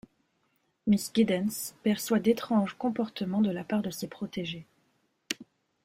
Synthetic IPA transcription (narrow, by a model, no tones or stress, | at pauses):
misɡʲid̪ɛnspɛʁswad̪et̪χɑ̃ʒkɔ̃pɔʁt̪əmɑ̃d̪əlapaʁd̪əsepχɔt̪eʒe